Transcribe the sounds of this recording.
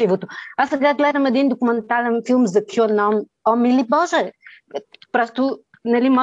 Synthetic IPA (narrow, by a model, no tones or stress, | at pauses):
ivut̪uasəɡaɡlɛɾəmɐd̪ind̪okumɛnt̪alɛnfilˠmzd̪ɐkʰonɔm | ɔmilibɔʒə | pɾɔst̪u | nɐlimɔ